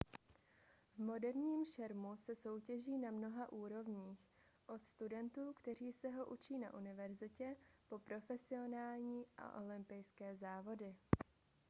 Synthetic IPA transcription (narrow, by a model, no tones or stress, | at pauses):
vmo̞dɛɾɲiːmʃɛɾmusɛso̞wcɛʒiːnamno̞ɦaʔuːɾo̞vɲiːx | ʔo̞t̪st̪udɛnt̪uːkt̪ɛr̝iːsɛɦo̞ʔut͡ʃiːna̰ʔunɪvɛɾzɪcɛpo̞pɾo̞fɛsɪo̞naːlɲiːʔa̰ʔo̞lɪmpɪjskɛːzaːvo̞dɪ